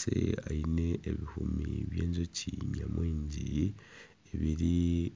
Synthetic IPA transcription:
eaineːβihumiβje̞ːɲzocʰiɲamwiːɲɟi | eβiɾi

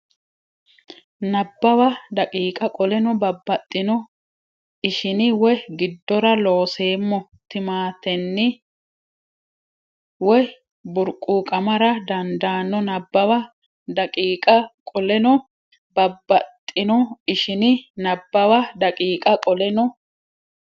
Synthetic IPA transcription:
nɐbːɐwɐd̪ɐkʼiːkʼɐkʼɔlɛnɔbɐbːɐt̪ʼːɪnɔ | ɪʃɪnɪwɔjɡɪd̪ːɔɾɐlo̞ːse̞ːmːɔ | t̪ɪmaːt̪ɛnːɪ | wɔj | bʊɾkʼːuːkʼɐmɐɾɐd̪ɐnd̪aːnːɔnɐbːɐwɐ | d̪ɐkʼiːkʼɐkʼɔlɛnɔ | bɐbːɐt̪ʼːɪnɔɪʃɪnɪnɐbːɐwɐd̪ɐkʼiːkʼɐkʼɔlɛnɔ

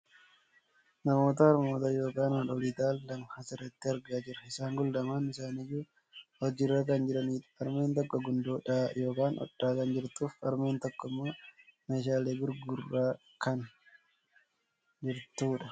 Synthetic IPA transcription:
nɐmo̞ːt̪ɐɐɾmo̞ːt̪ɐjo̞ːkaːnɐᶑɔliːt̪aːlːɐmhɐsɪrːɐt̪ːɪɐɾɡaːd͡ʒɪɾɐɪsaːŋɡʊld̪ɐmɐnɪsaːnɪjːuː | hɔd͡ʒɪrːakɐnd͡ʒɪɾɐni̥ːɐɾme̞ːnt̪ɔkːɔɡʊnd̪oːᶑaːjo̞ːkaːnʔɔ̰ᶑːaːkɐnd͡ʒɪɾt̪uːfɐɾmeːnt̪ɔkːɔmːoːmeːʃaːleːɡʊɾɡʊrːaː | kɐn | d͡ʒɪɾt̪uːᶑɐ

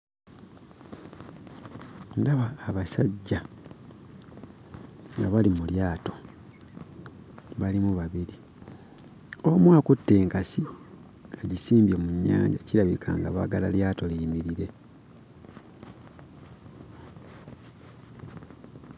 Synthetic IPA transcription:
ndaβaːβasaɟːa | ŋɡaβalimuljaːto̞̥ | βalimuβaβiɾi | o̞mwaːkutːe̞ːŋkasio | eɟisiːmbjomuɲːa̰ːɲɟacilaβikʰa̰ːŋɡaβaɡalaljaːto̞liːmiɾiɾe̞

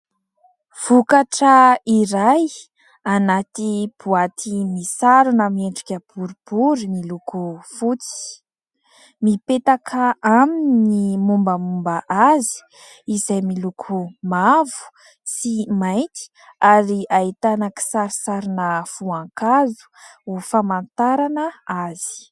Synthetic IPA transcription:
v̥ukaʈ͡ʂəiɾaj | anat̪ib̥uat̪ʰimisaɾunəmieɳɖ͡ʐikʲəb̥uɾub̥uɾinilukufut͡si̥ | mipet̪akʰaʔaminnimumbəmumbəʔazi̥ | izajmilukʰumavu̥ | simajt̪i̥ | aɾiait̪anaki̥saɾisaɾinəv̥uaŋkazu̥ufamant̪aɾanəaz̥i̥

